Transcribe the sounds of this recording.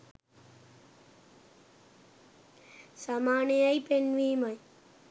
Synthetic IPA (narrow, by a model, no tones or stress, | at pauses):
sɐmaːnejajpenʋiːmɐj